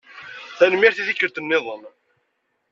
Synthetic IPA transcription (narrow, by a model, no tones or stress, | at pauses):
θænəmjæɾθiðikːəɾt̪ənːɪðˤən